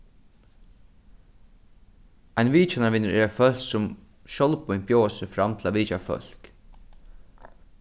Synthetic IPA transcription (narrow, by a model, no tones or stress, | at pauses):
æɪnʋiːt͡ʃanaʋɪnəɾʔɛɾɛfœl̥ksʊm | ʃɔlpʊɪnpjoːsəfɾamt̪ʰɪlaːʋiːt͡ʃafœ̰l̥k